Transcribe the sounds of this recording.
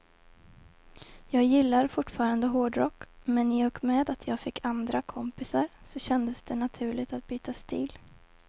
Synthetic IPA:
jɑːɡjɪlːaɾfʊʈːfɑːɾand̪əɦoːɖɾɔkːmɛnɪjɔkmeːd̪at̪ʰjɑːɡfɪkʰːand̪ɾakʰɔmpɪsaɾsɔɕɛnd̪əsd̪̥ɛnat̪ʰʉ̟ːɭɪɡt̪at̪̚byːt̪ast̪ʰiːl

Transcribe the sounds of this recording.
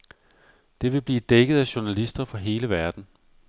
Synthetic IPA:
d̥e̝ʋe̝b̥liːd̥eɡ̥əð̩ˠæɕunælisd̥ɐfɒ̽ɦe̝ːləʋæɐd̥n̩

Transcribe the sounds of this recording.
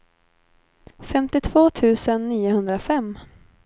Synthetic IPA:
fɛmt̪ɪt̪ʰvoːt̪ʰʉ̟ːsənːiːʊhɵnd̪ɾafɛmː

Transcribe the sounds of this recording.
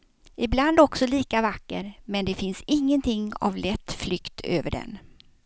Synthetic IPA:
ɪbland̪ɔksɔliːkavakːəɾmɛnd̪ɛfɪnsɪŋːənt̪ʰɪŋːa̰vlɛt̪ːflʏkt̪ʰø̰ːvəɖɛ̰n

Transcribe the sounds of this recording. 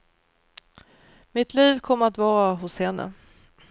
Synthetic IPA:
mɪt̪ʰliːvkʰɔmːəɾat̪vɑːɾaɦʊshɛnːə̰

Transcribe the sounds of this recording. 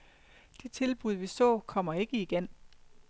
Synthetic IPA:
d̥it͡sʰe̝lb̥uð̞ˠʋisɒ̰̽ːkʰɒ̽m̰ɐe̝ɡ̥əiɡ̥en

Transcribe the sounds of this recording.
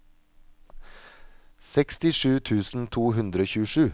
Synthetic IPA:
sɛkst̪ɪʂʉːt̪ʰʉːsn̩t̪ʰuːɦʉnd̪ɾəoːçʉːəʂʉː

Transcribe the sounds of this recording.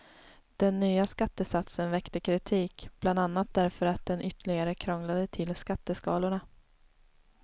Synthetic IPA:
d̪̥ɛnːyːaskat̪ːəsat̪sənvɛkt̪əkʰɾɪt̪ʰiːkb̥land̪anːat̪̚d̪æɾfœɾat̪̚d̪ɛnʏt̪ːəɭɪɡaɾəkʰɾɔŋlad̪ət̪ʰɪlskat̪ːəskɑːlʊɳa

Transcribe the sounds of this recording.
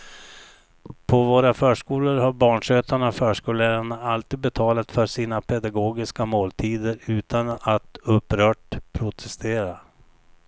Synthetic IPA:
pʰɔvoːɾafœːʂkuːləɾɦaɾbɑːɳʂøːt̪ʰaɳafœːʂkuːləɾaɳaalt̪iːd̪̚bɛt̪ʰɑːlat̪fœʂiːnapʰɛd̪aɡoːɡɪskamoːlt̪ʰiːd̪əɾʉ̟ːt̪ʰanat̪ɵpːɾœːʈpʰɾʊt̪ʰɛst̪eːɾa

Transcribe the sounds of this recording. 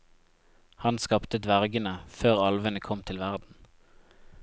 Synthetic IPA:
hɑnskɑpt̪əd̪ʋæʁɡənəføːʁɑlʋənəkʰɔmt̪ʰɪlʋæʁd̪n̩

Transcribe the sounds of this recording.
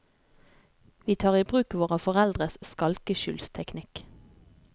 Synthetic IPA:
ʋiːt̪ʰɑːʁiːbʁʉːkʋoːʁəfɔʁɛld̪ʁəsskɑlkəʃʏ̰ːlst̪ʰɛknɪk

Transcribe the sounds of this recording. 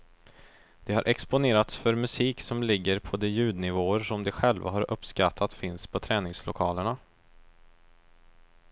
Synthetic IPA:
d̪̥ɛhaɾʔɛkspʊneːɾat̪sfœɾmɵsiːksɔmlɪɡːəɾpʰɔd̪ɛjʉ̟ːd̪nɪvoːəʂɔmd̪ɛɧɛlva̰ɦaɾʔɵpːskat̪ʰːat̪fɪnspʰɔt̪ʰɾɛːnɪŋslʊ̰kʰɑːləɳa

